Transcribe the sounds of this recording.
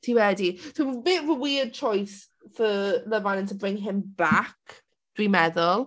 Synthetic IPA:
tʰiwɛdisobɪɹəwɪəd̚t͡ʃʰɔjs | fələvãnə̃ntʰəbɹɪ̃ŋɦɪ̃mbak | d̥wimɛðəlˠ

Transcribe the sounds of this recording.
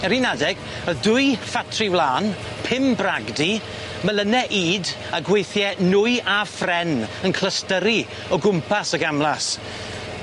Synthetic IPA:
əɾinadɛɡ̥ | ədʊɨfatʰriwlˠaːn | pʰɪmbraɡdi | mələnɛʔiːd | aɡwejθjɛnʊɨʔafrɛnənkʰl̥ˠəstəɾi | ɔɡʊmpʰasəɡamlˠas

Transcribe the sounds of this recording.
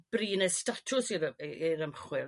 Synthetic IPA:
b̥riːnɛstatʰʊsiɾəiɾəmχwɪr

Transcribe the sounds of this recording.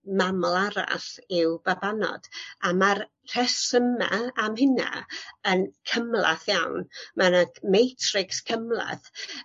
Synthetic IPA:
mamlˠaɾa̰ɬɪwb̥abanɔ̰d̥amar | r̥ɛsəma̰amhɪna̰ənkʰəmlˠa̰θjawnmanəmejtʰrɪkskʰəmlˠa̰θ

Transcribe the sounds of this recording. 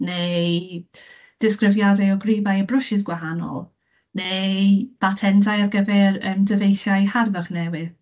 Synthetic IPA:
nej | d̥ɪskrəvjadaɔɡrɪvajəbrʊʃɪsɡ̥waɦanɔ̰lˠ | nepatʰɛntʰajarɡəvɛɾəːmdəvejθjajharðɔχnɛwɪð

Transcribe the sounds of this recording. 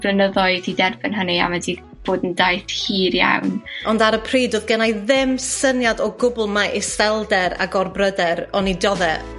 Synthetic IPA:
b̥lənəðɔɨdidɛrbɪnɦənia̰mɛdi | b̥oːdndajθhiːɾja̰wnɔndaɾəpʰriːdoðɡənajðɪmsənjadɔɡʊbʊlˠmaʔɪsvɛlˠdɛɾa̰ɡɔrbrədɛɾɔnidɔðɛ

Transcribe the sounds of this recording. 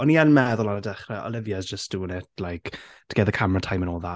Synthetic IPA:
ɔnianmɛðʊlˠanədɛχrɛʔɔ̰lɪvjasd͡ʒəsd̥uwənɛtlajkʰ | d̥ɡeːðəkʰamratʰajmənoːða

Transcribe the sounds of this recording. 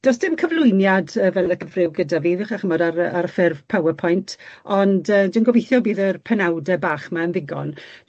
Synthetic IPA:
d̥ɔsd̥ɪmkʰəvlˠʊjnjadəːvɛlˠəkʰəvrɪwɡədaviːvɪχaχəmɔdaɾaɾəfɪrv̥pʰawəpʰɔjntʰɔndəːdwinɡɔvejθjɔbiːðərpʰɛnawdɛbaːχmaənðɪɡɔ̰n

